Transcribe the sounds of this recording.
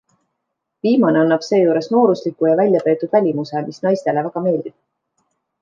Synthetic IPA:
viːmɑne̞ɑnːɑb̥se̞ːjuːɾe̞sno̞ːɾuslikːujɑvælʲjɑpe̞ːt̪ːˑud̪̥vælʲimusemisnɑjst̪e̞levæɡ̥ɑme̞ːld̪̥ib̥

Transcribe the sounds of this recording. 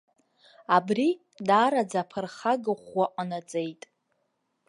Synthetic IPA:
abri | daɾad͡zapʰərχaɡɨχʷwaʔʼanad͡zʼejtʼ

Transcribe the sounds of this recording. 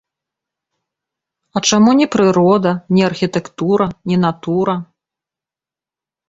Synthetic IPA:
ɐt͡ʂamunʲɛpɾɨɾɔd̪ɐnʲɛɐrxʲit̪ɛkt̪uɾɐnʲɛnat̪uɾɐ

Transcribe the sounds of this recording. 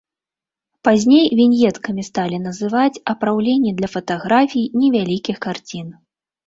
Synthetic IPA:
pazʲnʲejvʲinʲjɛt̪kɐmʲist̪alʲinɐzɨvat͡sʲɐpɾawlʲenʲːɛd̪lʲɐfɐt̪aɣɾafʲijnʲɛvʲalʲikʲixkart͡sʲin

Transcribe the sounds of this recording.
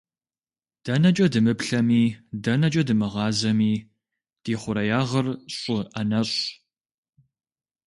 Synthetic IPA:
d̥ɐnɐt͡ʃʼɐdɨmɨpɬɐmiːdɐnɐt͡ʃʼɐdɨmɨʁɑːzɐmiː | d̥eːχʷʊɾɐjaːʁɐrɕʼʊʔɐnɐɕʼ

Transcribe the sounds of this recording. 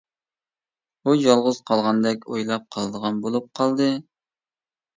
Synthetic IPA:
ujɑlˠʁʊz̥qʰɑlˠʁɑnd̪ɛkʲojlˠɑp̚qʰɑlˠɨd̪əʁɑnbolˠup̚qʰɑlˠd̪ɨ

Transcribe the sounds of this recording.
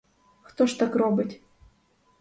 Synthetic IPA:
xt̪oʂt̪akrobɨtʲ

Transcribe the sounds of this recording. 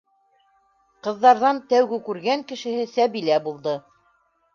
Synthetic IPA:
qɤ̆ðːɑɾðɑnt̪æwɡɘkʉɾɡæŋkɘ̆ʃɘ̆hɘsæβilæbulˠd̪ɤ

